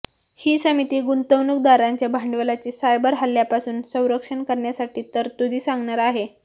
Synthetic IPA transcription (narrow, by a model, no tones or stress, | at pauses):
hiːsəmit̪iːɡunt̪əwnuk̚d̪aɾaɲt͡ɕjabʱaɳɖʋəlat͡ɕiːsajbəɾɦəlːjapasuːnsə̃w̃ɾəkʂəɳkəɾɳjasaʈiːt̪əɾt̪ud̪ʱiːsaŋɡɳaɾaɦe